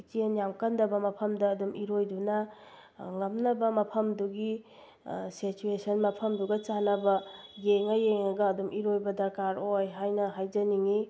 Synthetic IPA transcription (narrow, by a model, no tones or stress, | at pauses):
itienjamkɐndɐbɐmɐpʰɐmdɐːdumʔiɾojdunɐ | ŋɐmnɐbɐmɐpʰɐmduɡi | sit͡ʃuesɐnmɐpʰɐmduɡɐt͡ʃanɐbɐjeŋɐjeŋɐɡɐːdumʔiɾojbɐdɐɾkaɾojɦajnɐɦajd͡ʒɐniŋi